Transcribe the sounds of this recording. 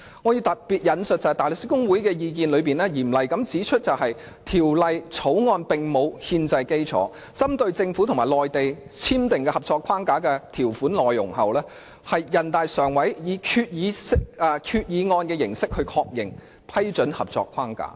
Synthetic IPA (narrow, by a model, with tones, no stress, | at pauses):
ŋɔ˨˧ji˧wt̪ɐ˨t̚piː˨t̚jɐ˨nsɵ˨t̚t͡sɐ˧hjt̪aː˨˩lɵ˨ksiː˥kʊ˥ŋwu˨˥jkɛː˧jiː˧kiː˨nlɵ˨˧piː˨nlɛː˥jiː˨˩mlɐ˨jkɐ˨˥mt͡siː˨˥t͡ʃʰɵ˥t̚t͡sɐ˨wɦɐ˨j | t̪ʰiː˨˩wlɐ˨jt͡sʰo˨˥wŋɔː˧npɪ˨ŋmo˨˧whiː˧nt͡sɐ˧jke˥jt͡sʰɔ̰ː˨˥ | t͡sɐ˥mt̪ɵ˧ɥt͡sɪ˧ŋfu˨˥t̪ʰʊ˨˩ŋmaː˨˩jlɔː˨jt̪e˨j | t͡sʰiː˥mt̪ɪ˨ŋkɛ˧hɐ˨˩p̚t͡sɔː˧kʰaː˥ŋkaː˨˥kɛː˧t̪ʰiː˨˩wfuː˨˥nlɔː˨˩jlʊ̰˨˩ŋhɐ˨wlɛː˥ | hɐ˨jːɐ˨˩nt̪aː˨jsœː˨˩ŋwɐ˨˥jjiː˨˧kʰyː˧t̚jiː˨˧ɪ˥kːkʰyː˧t̚jiː˨˧ŋɔː˧nkɛː˧jɪ˨˩ŋsɪ˥k̚hɵ˧ɥkʰɔː˧k̚jɪ˨ŋ | pʰɐ˥jt͡ʃɵ˨˥nhɐ̰˨p̚t͡sɔ̰ː˧kʰaː˥ŋka̰ː˨˥